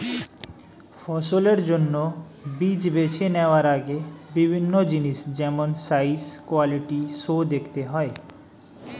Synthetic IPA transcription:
fʰɔsoleɾd͡ʒonːɔ | bid͡ʑbet͡ʃʰenɛʋaɾaɡebibʱinːod͡ʒinisd͡ʒɛmɔnsaiskwaliʈisod̪ekʰt̪eɦɔe

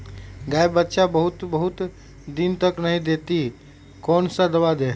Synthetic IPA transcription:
ɡaːebətːʃabəɦʊt̪bəɦʊt̪ | d̪int̪əknəɦĩd̪eːt̪i | kɔːnsad̪əʋad̪eː

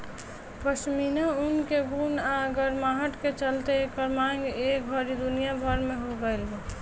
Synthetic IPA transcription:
pəsminaunkeɡunaɡəɾmaɦəʈket͡ʃəlt̪ekɔɾmaŋɡekbʱəɾid̪unijabʱəɾmẽɦoɡəɪlɡe

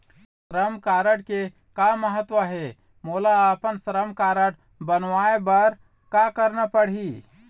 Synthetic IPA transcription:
sɾəmkaɾəʈ̚ke | kaməɦət̪ʋəɦe | molaəpənsəɾəmkaɾəʈ | bənʋaebəɾ | kakəɾnəpəɽ̤ɦi

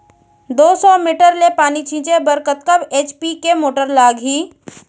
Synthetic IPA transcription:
d̪oːsɔːmiːʈəɾlepaːnit͡ʃʰĩːt͡ʃebəɾkət̪̚kɐbeːt͡ʃpikemoːʈəɾlaːɡɦiː

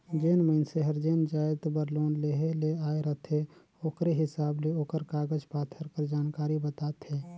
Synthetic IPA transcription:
d͡ʒeːnməɪnseɦəɾd͡ʒeːnd͡ʒaːɪd̪bəɾloːnleːɦeleaːeɾət̪ʰe | oːkɾeɦɪsaːbleoːkəɾkaːɡəd͡ʒpaːt̪ʰəɾkəɾd͡ʒaːnkaːɾibət̪aːt̪ɦɛː

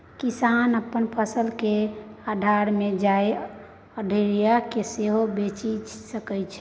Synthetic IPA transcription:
kisanəpːənpʰəsəlkead̪ʱaɾmed͡ʒae | əɖʱəɾijakeseɦobet͡ʃisəkɛt͡ʃʰɛ̥

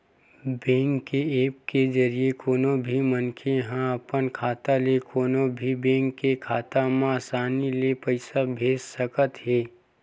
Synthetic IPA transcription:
bẽːŋɡkːeeːp̚ked͡ʒɐɾiekoːnobʱimənkʰeɦãɐpənkʰaːt̪alekʰoːnobʱibẽːŋɡkːekʰaːt̪amãsaːnilepəɪsabʱeːssəkət̪ɦeː

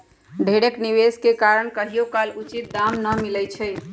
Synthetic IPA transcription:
ɖʱeɽekniʋeskekaɾəɳkəɦijokalut͡ʃit̪̚d̪amnəmilɛjt͡ʃʰɛj

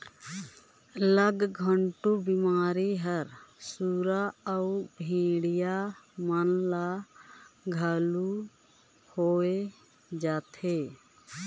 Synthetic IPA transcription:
ləɡɡʱəɳʈubɪmaːɾiɦəɾsuːɾaəubʱẽːɽijamənla | ɡʱalu | hoːe | d͡ʒaːt̪ʰe

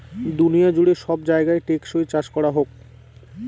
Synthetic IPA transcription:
d̪unijad͡ʑuɽeʃɔbd͡ʑaeɡaeʈekʃojt͡ɕaʃkɔɾaɦok̚

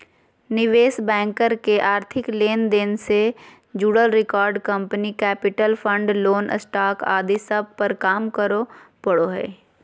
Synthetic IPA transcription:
nɪʋeːsbɛ̃ːŋkəɾkeʔaːɾt̪ʰɪkleːnd̪ɪnse | d͡ʒuɽəlɾɪkaːɾɖkə̃mpənikɛːpɪʈəlpʰə̃ɳɖloːnsʈaːka̰ːd̪isəb̚ʱpəɾkaːmkəɾopəɽoɦɛ̰ː

